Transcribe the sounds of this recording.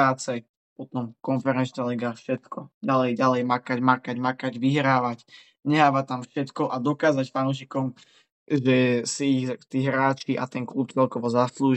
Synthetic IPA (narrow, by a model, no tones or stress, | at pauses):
aːt͡sɛ | pɔt̪ɔmkɔnfɛɾɛnt͡ʃnaliɡafʃɛt̪kɔɟalɛjɟalɛjmakaɟmakaɟmakaɟʋiɦɾaːʋac | ɲɛɦaːʋat̪amfʃɛt̪kɔʔad̪ɔkaːzacfanuʃ̬ikɔm | ʒɛsiːxt̪iːɦɾaːt͡ʃiʔa̰t̪ɛnkluːp̚t͡sɛlkɔʋɔzaːsluːʒ